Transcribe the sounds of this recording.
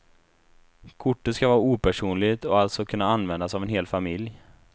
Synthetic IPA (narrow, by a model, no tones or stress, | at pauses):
kʰʊʈːət̪skavɑːɾauːpʰæʂuːnlɪɡt̪ɔalt̪sɔkʰɵnːaanvɛnd̪asavɛnɦeːlfamɪlj